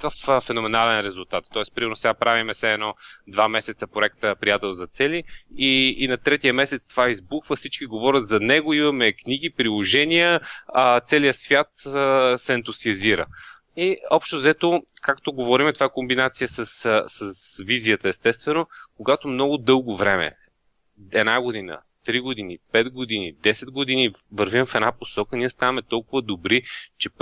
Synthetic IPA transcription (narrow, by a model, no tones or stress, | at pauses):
kəffɛnʊmɛnalɛnɾɛzʊlˠt̪at̪ːɔɛspɾimɛɾnosɛɡapɾavimɛsɛɛnɔd̪vamɛsɛt̪səpɾoʊɛkt̪əpɾijat̪ɛlˠzɐt̪sɛliiːnɐt̪ɾɛt̪ijəmɛsɛt̪st̪ovaizbuxvəfsit͡ʃkiɡovɔɾʲət̪zɐnɛɡʊimɐmɛkniɡ̟ipɾilˠoʒɛnʲijət̪sɛlijəsvʲjat̪əsɛɛnt̪usiəziɾə̰ | iɔpʃt̪ozɛt̪okakt̪oɡovɔɾimɛt̪ovakombinat̪sijəsəssəsvizijət̪əɛst̪ɛst̪vɛnokoɡat̪omnɔɡʊd̪ɤlˠɡovɾɛmɛ̰ | ɛd̪naɡod̪inə̰ | t̪ɾiɡod̪inipɛd̪ɡod̪inid̪ɛsɛd̪ɡod̪inivəɾvimfɛd̪naposɔkəniɛst̪avɐmɛt̪ɔlˠkʊvəd̪obɾit͡ʃɛp